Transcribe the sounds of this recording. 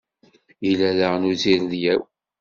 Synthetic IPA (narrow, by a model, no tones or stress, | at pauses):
jilæðəʁnuziɾðjæw